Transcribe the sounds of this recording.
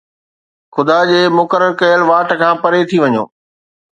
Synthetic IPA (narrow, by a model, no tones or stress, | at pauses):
xʊd̪ad͡ʑeːmʊkəɾəɾkɐjəlʋaːʈkʰãːpɐɾet̪ʰiʋɐɲo̰ː